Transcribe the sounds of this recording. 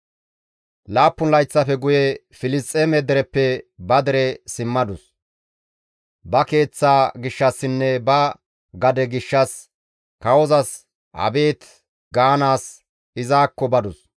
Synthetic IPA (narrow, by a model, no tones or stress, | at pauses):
laːpːʊnlɐjt͡sːɐfɛɡʊjɛ | fɪlɪstʼːeːmɛd̪ɛɾɛpːɛbɐd̪ɛɾɛsɪmːɐd̪ʊs | bɐke̞ːt͡sːaːɡɪʃːɐsːɪnːɛbɐ | ɡɐd̪ɛɡɪʃːɐs | kɐwɔzɐs | hɐ̰be̞ːt̪ | ɡaːnaːs | ɪzaːkːɔbɐd̪ʊs